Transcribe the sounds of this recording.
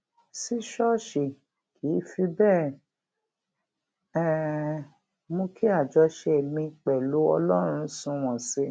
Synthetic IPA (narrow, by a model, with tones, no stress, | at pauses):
si˦ʃɔ˦ʃe˨ | kʰi˨˦fi˧bɛː˦˨ | ɛ˦˨ | mo˧ki˦a˦˨d͡ʒɔ˨˧˦ʃɛ˧˨mĩ˧k͡pɛ˨lu˨˦ɔ˧lɔ˦ɾ̃ũ˧sũ˨˧w̃ɔ̃˨se˧˦